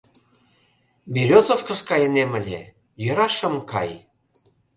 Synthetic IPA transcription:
biɾʲot͡sofkə̆skɑjə̆nemə̆lʲḛ | jø̆ɾɑʃə̆mkɑ̰j

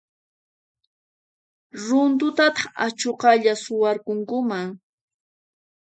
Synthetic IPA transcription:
ɾʊnt̪̬ʊt̪at̪ɑ̥χat͡ʃoqɑʎasʊwaɾkʊŋkʊmaŋ

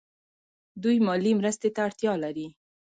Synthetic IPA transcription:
d̪ujmɑlimɾəst̪et̪aːɽt̪jɑlaɾi

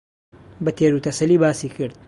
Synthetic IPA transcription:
bɐt̪ʰeːɾut̪ʰɐsɐlibaːsiːkʰɨɾd̪̥̚

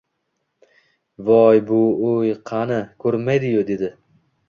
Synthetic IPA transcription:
vɒjbʊojqʰɑnɪkʰɵɾmajd̪ɪjod̪e̞d̪ɪ

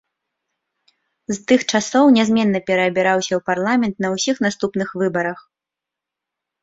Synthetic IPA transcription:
zt̪ɨxt͡ʂasɔwnʲɛzʲmʲɛnːɐpʲɛɾɐːbʲɛɾawsʲɐwparlˠamʲɛnt̪nɐwsʲixnast̪upnɨxvɨbɐɾɐx

